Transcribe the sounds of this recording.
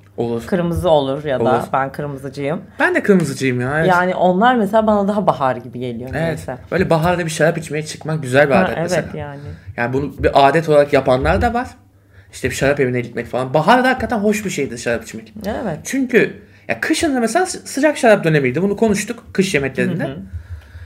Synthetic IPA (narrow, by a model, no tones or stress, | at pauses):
o̞̰lˠuɾkʰɯɾmɯzɯo̞lˠuɾjadoa̰uɾbænkʰɯɾmɯzɯd͡ʒɯjɯmbænd̪ɛkʰɯɾmɯzɯd͡ʒɯjɯmjaːevɛjaːnɪʔo̞nlˠaɾmeselʲaːbanad̪aɦabaɦaɾɟibiɟe̞lʲijoevɛt̪ɛbø̞jlʲɛbaɦaɾd̪abiʃaɾapit͡ʃme̞jɛt͡ʃʰɯ̥kmak̚ɟyzælʲbiaːd̪ɛteevḛajaːnɪjaːnbunubiʔaːd̪ɛt̪ʰo̞lˠaɾakjapʰanlˠaɾd̪avaɾ̥ | i̥ʃt̪ʰɛbiʃaɾape̞vinɛlʲit̪mɛcfalˠanbaɦaɾd̪ahakːat̪ʰænɦo̞ʃbiʃe̞jid̪iʃaɾapi̥t͡ʃmɛcevɛt͡ʃʰyɲcʰy | ja̰kʰɯʃɯnɯd̪amseaːsɯd͡ʒakʃaɾap̚d̪ø̞nemijd̪ibunukʰo̞nuʃt̪ukkʰːɯʃjemɛt̪lʲe̞ɾind̪ɛ